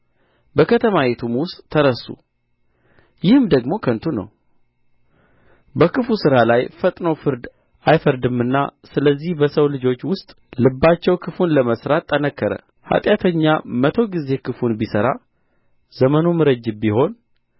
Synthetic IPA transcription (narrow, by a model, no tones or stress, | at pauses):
bəkʰət̪ʰəmajet̪ʰumwʊst̪ʼːʰəɾəsːṵ | jɪhɨmd̪əɡmo̞kʰənt̪ʰunə̰w | bəkʰɨfusɨɾalajfət̪ʼnəwfɨɾd̪ | ajfəɾd̪ɨmːɨnːa̰sɨləzːihbəsəwlɨd͡ʒo̞t͡ʃːwʊst̪ʼ | lɨbːat͡ʃːɛwkʰɨfunləməsɾat̪ʼːənəkːəɾə̰ | ha̰t̪ʼjat̪ʰəɲːamət̪ʰo̞ɡize̞kʰɨfunbisəɾa̰ | zəmənumɨɾəd͡ʒːɨbiho̞n